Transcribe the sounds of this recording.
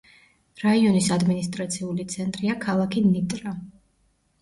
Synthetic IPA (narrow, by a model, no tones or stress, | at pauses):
ɾaiɔnisad̪minist̪ʼɾat̪sʰiulit̪sʰɛnt̪ʼɾiakʰalˠakʰinit̪ʼɾa